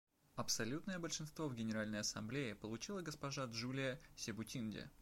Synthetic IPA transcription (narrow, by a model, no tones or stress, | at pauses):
ɐpsɐlʲut̪nəjəbəlʲʂɨnst̪vovɡʲɪnʲɪɾalʲnəjɐsɐ̰mblʲeɪpəlˠʊt͡ɕilˠəɡəspɐʐaʐulʲɪjəsʲɪbʊtʲindʲɪ̰